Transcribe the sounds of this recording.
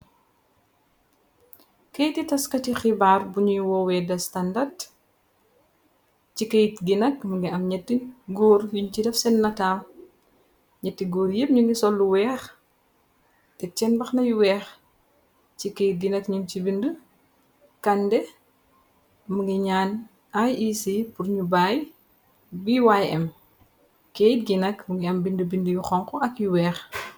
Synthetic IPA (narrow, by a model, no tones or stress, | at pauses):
kejtitɐskɐtixibaːrbuɲujwɔwɛdɐstandɐrd | cikejitɡinɐkmuŋɡiɐmɲɛtːiɡɔːɾjuɲcidɐfsɛnːɐtaːm | ɲɛtːiɡɔːɾjep̚ɲuŋɡisɔlːuwɛːx | tɛt͡ʃɛnbɐxnɐjuwɛːx | t͡ʃikejdinɐkɲunt͡ʃibində | kɐndɛ | muŋɡiɲaːn | ajisipuɾɲubaːj | biwajɛm | kejtɡinɐkmuŋɡiɐmbindubindujuxɔŋkɔɐkjuwɛːx